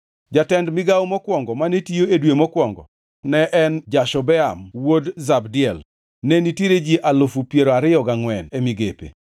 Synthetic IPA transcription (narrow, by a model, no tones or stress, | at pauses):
d͡ʒatɛndmɪɡawmɔkwɔŋɡɔmanetijoedwemɔkwɔŋɡɔ̰ | nɛʔɛnd͡ʒaʃɔbɛamwodzabdɪɛl | nɛnitjeɾed͡ʒiʔalofupjeɾoaɾɪjɔɡaŋwɛnemiɡepḛ